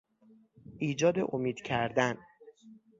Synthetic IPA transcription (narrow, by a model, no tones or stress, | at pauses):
ʔiːd͡ʒɒːd̪ḛʔomiːd̪̥cʰæɾd̪æn